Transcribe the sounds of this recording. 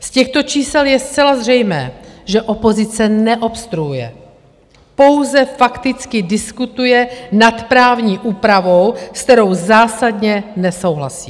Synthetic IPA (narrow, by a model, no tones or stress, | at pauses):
scɛxt̪o̞t͡ʃiːsɛljɛst̪t͡sɛlazr̝ɛjmɛ̰ːʒɛʔo̞po̞zɪt͡sɛnɛʔo̞pst̪ɾujujɛ̰ | po̞wzɛfakt̪ɪt͡skɪdɪskut̪ujɛnat̪pɾaːvɲiːʔuːpɾavo̞wskt̪ɛɾo̞wzaːsadɲɛnɛso̞wɦlasḭː